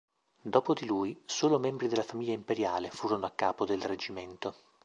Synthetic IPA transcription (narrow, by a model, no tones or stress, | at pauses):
d̪ɔːpod̪iluːjsoːlomɛmbɾid̪elːafamiʎːaimpeɾjaːlefuːɾonoakːaːpod̪elred͡ʒiment̪o